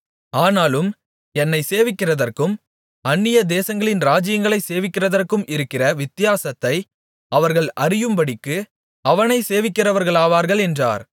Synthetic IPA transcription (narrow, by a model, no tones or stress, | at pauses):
aːnaːlɯm | ɛnːɐɪseːʋɪkːɪrɐðɐrkɯm | ɐnːɪjɐd̪eːsɐŋɡɐɭɪnɾaːd͡ʒɪjɐŋɡɐɭɐɪseːʋɪkːɪrɐðɐrkɯmʔɪɾɯkːɪrɐʋɪt̪ːɪjaːsɐt̪ːɐɪ | ɐʋɐɾɣɐɭɐrɪjɯmpɐɽɪkːɯ | ɐʋɐnɐɪseːʋɪkːɪrɐʋɐɾɣɐɭaːʋaːɾɣɐɭɛndra̰ːɾ